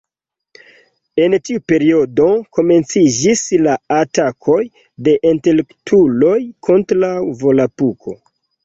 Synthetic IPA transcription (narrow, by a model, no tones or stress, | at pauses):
e̞ntiupe̞ɾio̞do̞ko̞me̞nt͡sid͡ʒislaatakʰo̞j | de̞ʔente̞lektʰulo̞jkʰo̞ntɾawvo̞lapukʰo̞̰